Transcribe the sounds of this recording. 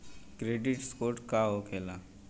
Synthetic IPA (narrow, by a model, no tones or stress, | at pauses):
kɾeɖiʈskoɾʈkaɦokʰela